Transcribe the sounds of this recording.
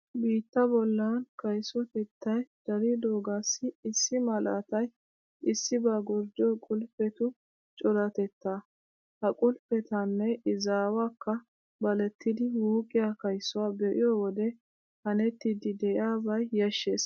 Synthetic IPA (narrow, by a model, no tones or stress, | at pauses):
biːt̪ːɐbɔlːɐnkɐjsɔt̪ɛt̪ʰːɐjd̪̥ɐɾid̪o̞ːɡasːɪɪsːɪmɐlɐ̰t̪ɐj | ɪsːɪbaɡɔɾd͡ʒɔkʼʊlpɛt̪ʊ | t͡ʃʼɔlɐt̪ɛt̪ːa | hɐkʼʊlpɛt̪ɐnːɛʔɪzaːwakʰːɐ | bɐlɛt̪ːɪd̪ɪwuːkʼɪjakɐjsʊwabɛʔɪ̰jɔːwɔd̪ɛ | hɐnɛt̪ːɪd̪ɪd̪ɛjaːbɐjjɐʃːeːs